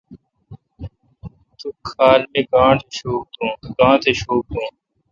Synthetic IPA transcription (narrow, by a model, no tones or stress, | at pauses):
t̪ukʰaːlmẽːkaaːt̪ʰeʃoːk̚d̪ũːkãːt̪ʰeːʃoːk̚d̪ũː